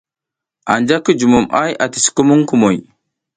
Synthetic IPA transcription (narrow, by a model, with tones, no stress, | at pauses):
a˨nd͡ʒa˦kə˦d͡ʒu˨mu˨mʔa˦ja˨ti̥˨si̥˨ku˦mu˦ŋku˦˨mo˨j